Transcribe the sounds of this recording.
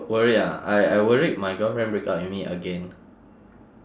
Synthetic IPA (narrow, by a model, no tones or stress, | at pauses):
wəɹiaa̰jajwəɹiʔ̚majɡɔfɹɛ̃nbɹiksa̰tɛ̃nmiʔə̰ɡɛ̃n